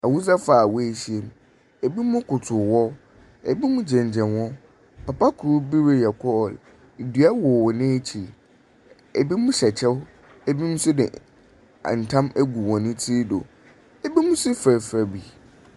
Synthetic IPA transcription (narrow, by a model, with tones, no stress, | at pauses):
a˨wu˦sa˦faː˨wɔ˦e˨ɕi˨e˨m˨ | e˨bi˦mʊ̃˦kʰʊ˨tʰʊ˨wɔ˦ | ɛ̰˨bi˦mʊ̃˦d͡ʑɛ̃˨ɲ˨d͡ʑɛ̃˨nwɔ̃˦ | pa˨pʰa˦kʰu˨ɾu˦bi˦ɾe˦jɛ˨kʰɔ˦˨l | dɥa˦wɔ˨wɔ˨nɪ̃˦e˦t͡ɕʰi˨ | ɛ˨bi˦mʊ̃˦ɕɛ˨t͡ɕʰɛ˦w | ɛ˦bi˦mũ˦sʊ˦dɪ˨ | a̰˨n̩˨tʰã˦mɛ˦ɡu˨wɔ̃˨nɪ̃˦tʰiː˦do̰˨ | ɛ˦bi˦mʊ̃˦sʊ˦fæ˨fɾæ˨bi˨